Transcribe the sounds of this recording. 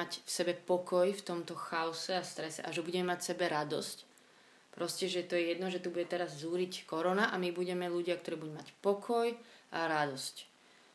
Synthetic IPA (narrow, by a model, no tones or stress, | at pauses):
acfsɛbɛpɔkɔjft̪ɔmt̪ɔxaɔsɛast̪ɾɛsɛ̰ʔaʒɛbuɟɛmɛmacsɛbɛɾad̪ɔ̰sc | pɾɔscɛʒɛt̪ɔjɛjɛd̪nɔʒɛt̪ubuɟɛt̪ɛɾazzuːɾickɔɾɔnaʔamibuɟɛmɛluɟɪakt̪ɔɾiːbud̪umacpɔkʰɔjʔaɾad̪ɔsc